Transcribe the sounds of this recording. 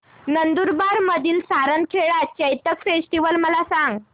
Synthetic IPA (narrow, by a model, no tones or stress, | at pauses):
nənd̪uɾbaɾməd̪ʱiːlsaɾənkʰeɭat͡ɕəjt̪əkfesʈiʋəlməlasãŋɡ